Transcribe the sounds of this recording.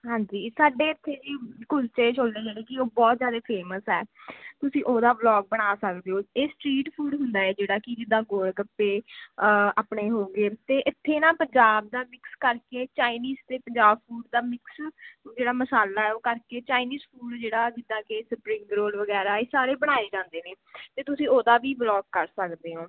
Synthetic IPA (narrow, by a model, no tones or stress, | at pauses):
ɦãːɲd͡ʒiːsaːɖeːɪt̪ʰːeːd͡ʒiːkʊlt͡ʃẽːʃoːld̪eːd͡ʒeːɽeːkɪoːbɔːt̪zjaːd̪eːpʰeːməsɛːt̪ʊsĩːʔoːd̪aːblɔːɡ̚bəɽ̃aːsəkd̪eːoːeːsʈɾiːʈpʰuːɖɦʊnd̪aːɛːd͡ʒeːɽaːkɪd͡ʒɪd̪ːãːɡoːɽɡəpːeː | aːpɳeːɦoːɡeːt̪eːʔɪt̪ʰːeːnãːpəɲd͡ʒaːb̚d̪aːmɪkskəɾkeːt͡ʃaːiniːzt̪eːpəɲd͡ʒaːbpʰuːɖd̪aːmɪksd͡ʒeːɽaːməsaːlaːɛːoːkəɾkeːt͡ʃaːiniːzpʰuːɖd͡ʒeːɽaːd͡ʒɪd̪ːãːkesəpɾɪ̃ŋɡɾoːlʋəɡɛːɾaːeːsaːɾeːbəɽ̃aːeːd͡ʒãːnd̪eːneːt̪eːt̪ʊsĩːoːd̪aːʋiːblɔːɡkəɾsəkd̪eːɦõː